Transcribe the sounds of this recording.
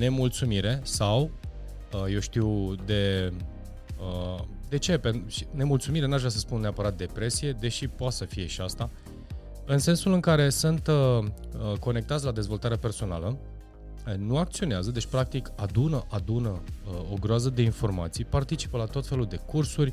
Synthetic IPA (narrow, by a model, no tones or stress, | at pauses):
ne̞mult̪sumiɾe̞saw | əje̞wʃt̪iwd̪e̞ | ə | d̪e̞t͡ʃe̞penʃi̥ne̞mult̪sumiɾe̞nuaʒvɾʲasəspunneapəɾat̪̚d̪e̞pɾe̞sije̞d̪e̞ʃipoat̪səfije̞ʃiast̪a | ɨnse̞nsulɨŋkaɾe̞sɨnt̪ | əko̞ne̞k̚t̪at̪sʲlad̪e̞zvo̞lt̪aɾeape̞rso̞na̰lə | nuak̚t̪sio̞neazəd̪e̞t͡ʃʲpɾak̚t̪ikad̪unəʔad̪unəo̞ɡɾoazəd̪e̞info̞rma̰t̪sijpart̪it͡ʃi̥pəlat̪o̞t̪fe̞luld̪e̞kursurʲ